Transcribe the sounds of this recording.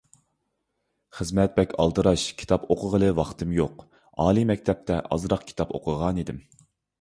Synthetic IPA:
χəzmɛt̪̚bɛkʲʰɑ̰lˠd̪ɨɾɑʃkʲʰi̥t̪ʰɑpoqʰəʁəlˠɨwɑχt̪ʰɨmjoq | ɑːlˠimɛkʲt̪ʰɛp̚t̪ʰɛʔɑ̰zɾɑqkʲʰi̥t̪ʰɑpo̰qʰəʁɑnid̪ɪm

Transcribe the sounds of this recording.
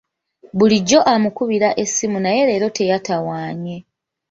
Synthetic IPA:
βuliɟːo̞ʔamukuβiɾaʔe̞simunaje̞ɾe̞ːɾo̞te̞jatawaːɲe̞

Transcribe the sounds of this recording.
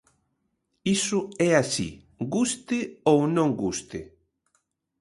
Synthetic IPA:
isʊɛasḭ | ɡust̪ɪownõŋɡust̪e

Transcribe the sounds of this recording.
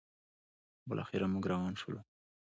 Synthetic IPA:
bɪlʔɑ̰xɪɾamuɡɾawɑnʃʊlu

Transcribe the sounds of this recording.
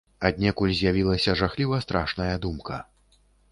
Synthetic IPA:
ad̪ʲnʲɛkulʲzʲjavʲilˠɐsʲɐʐaxlʲivɐst̪ɾaʂnɐjɐd̪umkʰɐ

